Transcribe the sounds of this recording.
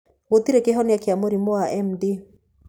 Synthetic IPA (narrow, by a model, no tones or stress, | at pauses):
wot̪iɾekeɦɔneakeamoɾimoaʔɛmde